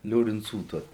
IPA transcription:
lʲoːrʲɪnˈt͡suː ˈtuɔs

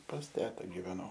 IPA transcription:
pɐs ˈtʲæːtɐ ɡʲɪʋʲɛˈnɐʊ

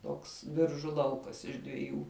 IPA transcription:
ˈtoːks ˈbʲɪrʒʊ ˈlˠɐʊkɐs ɪʃ dʲʋʲɪˈjuː

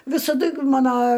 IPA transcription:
ʋʲɪsɐˈdʊ ˈmɑːnoː

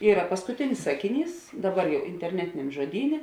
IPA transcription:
ˈiːrɐ pɐskʊˈtʲɪnʲɪs ˈsɑːkʲɪˌnʲiːs ˈdɑːˌbɐr jɛʊ ɪnʲtʲɛrʲˈnʲæːtʲɪnʲɛm ʒoːˈdʲiːnʲeː

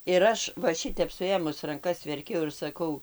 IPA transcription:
ɪr ˈɐʃ ʋɐ ˈʃʲɪtʲɛp sʊˈeːmʊs rɐŋˈkɐs ʋʲɛrʲˈkʲɛʊ ɪr sɐˈkɐʊ

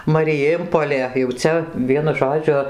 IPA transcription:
mɐrʲɪˈjeːmpoːlʲeː jɛʊ ˈt͡sʲɛ ˈʋʲiɛnʊ ˈʒoːd͡ʒʲʊ

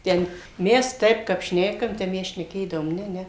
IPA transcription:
ˈtʲɛn ˈmʲɛs ˈtɐɪp kɐp ˈʃʲnʲæːkɐm ˈtʲɛp ˈmʲɛs ʃʲnʲɛˈkʲeːdɐʋoːm ˈnʲɛ ˈnʲɛ

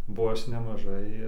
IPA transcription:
boː ˈɐʃ nʲɛmɐˈʒɐɪ

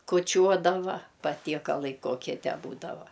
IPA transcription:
kuɔˈt͡ʃʲuɔdɐʋɐ pɐtʲiɛkɐˈlˠɐɪ ˈkoːkʲiɛ ˈtʲæː ˈbuːdɐʋɐ

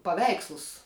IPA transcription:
pɐˈʋʲɛɪkslˠʊs

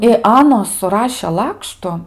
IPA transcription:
ɪ ˈɑːnoːs sʊˈrɑːʃʲeː ˈlˠɑːkʃtʊ

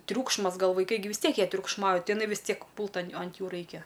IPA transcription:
ˈtʲrʲuːkʃmɐs ˈɡɐlˠ ʋɐɪˈkɐɪ ɡʲɪ ʋʲɪs ˈtʲiɛk jiɛ tʲrʲʊkʃˈmɐʊj ˈtɐɪ ɪˈnɐɪ ʋʲɪs ˈtʲiɛk ˈpuːlˠt ɐn ɐnt ˈjuː ˈrɐɪkʲɛ

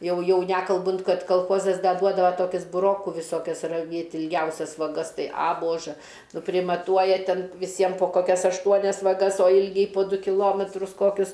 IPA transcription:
ˈjɛʊ ˈjɛʊ ˈnʲæːkɐlˠbʊnt ˈkɐt kɐlˠˈxoːzɐs ˈdɐ ˈduɔdɐʋɐ ˈtoːkʲɪs bʊˈroːkʊ ʋʲɪˈsoːkʲɛs rɐˈʋʲeːtʲ ɪlʲˈɡʲɛʊsʲɛs ʋɐˈɡɐs ˈtɐɪ ɐ ˈboːʒɘ nʊ pʲrʲɪmɐˈtuɔjɛ ˈtʲɛn ʋʲɪˈsʲiɛm poː ˈkoːkʲɛs ɐʃˈtuɔnʲɛs ʋɐˈɡɐs oː ˈɪlʲɡʲɛɪ poː ˈdʊ kʲɪˈlˠoːmʲɛtrʊs ˈkoːkʲʊs

